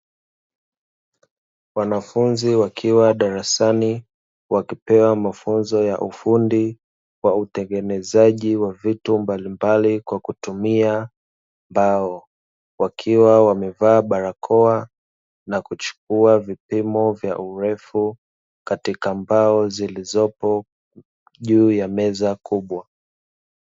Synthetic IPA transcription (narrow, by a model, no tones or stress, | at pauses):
wanafunziwakʰiwaɗaɾasani | wakipɛwamafunzɔja̰ʔufundi | wautɛŋɡɛnɛzaʄiwavitumbalimbalikwakutumia | mbaɔ | wakʰiwawamɛvaːɓaɾakʰɔa | nakut͡ʃu̥k̚uavipimɔvja̰ʔuɾɛfu | katikambaɔzilizɔpɔ | ʄuːjamɛzakʰuɓwa